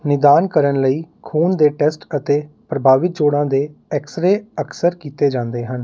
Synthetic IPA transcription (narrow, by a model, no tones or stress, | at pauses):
nɪd̪aːnkəɾənləiːkʰuːnd̪eːʈɛsʈət̪eː | pɾəbʱaːʋɪt̪̚d͡ʒoːɽãːd̪eːɛksəɾeːəksəɾkiːt̪eːd͡ʒãːnd̪eːɦən